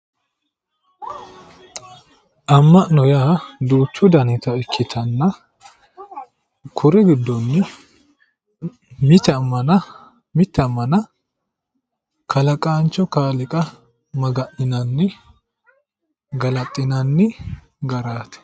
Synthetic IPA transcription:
ʔɐmːɐʔnɔjaːd̪uːt͡ʃːʊd̪ɐnɪt̪ɐɛkʰːɪt̪ʰɐnːɐ | kʰʊɾɛɡɪd̪ːɔnːɪ | mɪt̪ːɛɐmːɐnɐ | mɪt̪ːɛɐmːɐnɐ | kʰɐlɐkʼaːnt͡ʃːɔkaːlɪkʼɐ | mɐɡɐʔnɪnɐnːɪ | ɡɐlɐt̪ʼːɪnɐnːɪ | ɡɐɾaːt̪ɛ̥

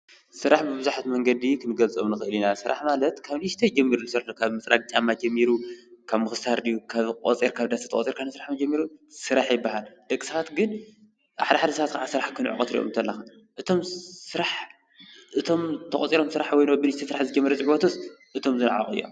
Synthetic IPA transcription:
sɨɾaħbɨbɨzuħat̪mɐŋɡɐd̪ikʰɨnɨɡɐlt͡sʼo̰mnɨxɨɨlinasɨɾa̰ħmalɐt̪kʰaβnɨʃt̪ʰɐjd͡ʒɛmːiɾunɨsɨɾaħkʰaβmɨt͡sʼɾa̰k̚ʼt͡ʃʼamːad͡ʒɐmːiɾukʰaβmɨxɨst̪ʰaɾd̪ijukʰaβkʼot͡sʼiɾkʰaβd̪ast̪ḁt̪ɐkʼo̰t͡sʼiɾkʰansɨɾaħmɐd͡ʒɐmːiɾusɨɾaħjɪbːahald̪̥ɐkʼi̥sɐβat̪ɡɨn | ʔaħd̪ɐħad̪ɐsɐβat̪kʰaʕasɨɾaħkʰɨnʕṵkʼɐ̰t̪ɾḭʔo̰mnt̪ʰɐlːɐxan | ʔɨt̪ʰo̞msɨɾaħ | ʔɨt̪ʰo̞mt̪ʰɐxʼot͡sʼiɾo̞msɨɾaħwɔjnobɨniʃt̪ʰɐsɨɾaħzɨd͡ʒɛmːiɾɐzʼɨʕbot̪ʰosʔɨt̪ʰo̞mzɨnʕa̰χʼɨ̰jːo̰m

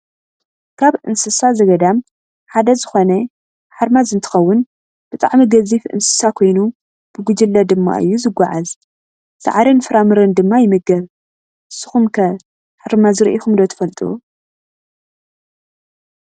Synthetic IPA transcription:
kʰaβʔɨnsɨsazɐɡɐd̪am | ħad̪ɐzɨxo̞nɐ | ħaɾmazɨnt̪ʰɨ̥xɐwːʊn | b̥ɨt̪ʼa̰ʕmiɡɐzifʔɨ̰nsɨ̥sakʰo̞jnu | b̥ɨɡud͡ʒɨlːɐd̪ɨmːa̰ʔɨ̰jːuzɨɡʷːaʕaz | sʰa̰ʕaɾɐnfɨɾamɨɾɨnd̪ɨmːajɪmɨɡɐβ | ʔɨsːɨ̥xumkʰɐ | ħaɾmazɨɾʔixumd̪ot̪ʰɨ̥fɐlt̪ʼṵ

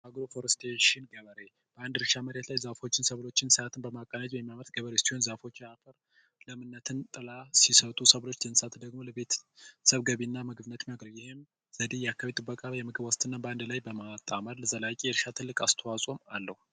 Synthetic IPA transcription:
ʔaɡɾofoɾst̪ʰeʃɪnɡəβəɾe̞ | b̥əand̪ɨɾɨʃaməɾet̪lajzafo̞t͡ʃːɪnsəβlo̞t͡ʃːɪnsɨat̪ʰɨnbəmakʼənat̪jɛmːaməɾt̪̚ɡəβəɾesiho̞nzafo̞t͡ʃːafʰəɾ | ləmɨnːət̪ʰɨnt̪ʼɨlasisət̪ʼusəβlo̞t͡ʃːd̪ənsat̪d̪əɡmo̞ləβe̞t̪ʰsəβɡəβinːamɨɡbɨnət̪maɡɾəβjɪhem | z̥əd̪ejakʰːaβet̪ʼɨbːəkʼajɛmɨɡɨbwɔst̪ʼɨnːabəand̪lajbəmat̪ʼːaməɾləzəlakʼijɛɾɨʃat̪ʰɨlːɨkʼast̪ʰəwasʼomalːəhu

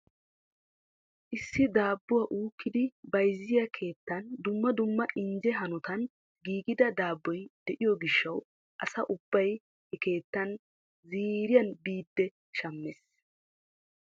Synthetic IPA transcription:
ʔɪsːɪd̪aːbːʊwɐːʔuːkːɪd̪ɪbɐjzɪjɐkʰe̞ːt̪ːɐnd̪ʊmːɐd̪ʊmːɐʔɪnd͡ʒɛɦɐnʊt̪ɐn | ɡiːɡɪd̪ɐd̪aːbːɔjd̪̥ɛʔɪjɔɡɪʃːɐw | ʔɐsɐʔʊbːɐj | hɛke̞ːt̪ːɐn | ziːɾɪjɐnbiːd̪ːɛ | ʃɐmːɛs

